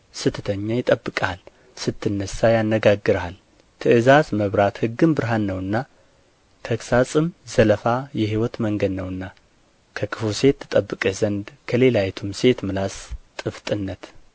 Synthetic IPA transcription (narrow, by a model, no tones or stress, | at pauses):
sɨt̪ʰːət̪ʰəɲːajɪt̪ʼəbːɨkʼal | sɨt̪ʰːɨnːəsːajanːəɡaɡːɨɾal | t̪ʰɨʔɨzazməβɾat̪hɨɡːɨmbɨɾɦanːəwɨnːa | kʰəksasʼɨmzələfajɛɦiwɔt̪məŋɡəd̪nəwɨnːa | kʰəkʰɨfuse̞t̪ːɨt̪ʼəbːɨkʼəzənd̪kʰəle̞lajɛt̪ʰumse̞t̪mɨlast̪ʼɨft̪ʼɨnːət̪